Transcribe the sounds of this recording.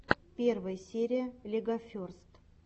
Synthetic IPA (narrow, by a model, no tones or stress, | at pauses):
pʲe̞rvəjəsʲeɾʲɪjəlʲɪɡɐfʲorst̪